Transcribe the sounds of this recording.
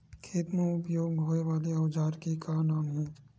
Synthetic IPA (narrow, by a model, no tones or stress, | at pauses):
kʰeːt̪mẽʊpjoːɡɦoːeʋaːleɐwd͡ʒaːɾkikaːnaːmɦɛ̃ː